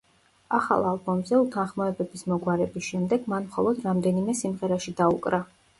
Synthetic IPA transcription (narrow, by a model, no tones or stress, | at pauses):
aχa̰lˠalˠbɔmzɛut̪ʰanχmɔɛbɛbismɔɡwaɾɛbisʃɛmd̪ɛɡmanmχɔ̰lˠɔd̪ɾamd̪ɛnimɛsimʁɛɾaʃid̪aṵkʼɾa